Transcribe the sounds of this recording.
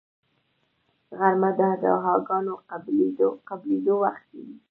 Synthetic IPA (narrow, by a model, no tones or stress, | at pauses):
ɣaɾmad̪əhad̪ɑ̰ɦɑɡɑnoqabled̪oqabled̪owaxt̪̚keɡi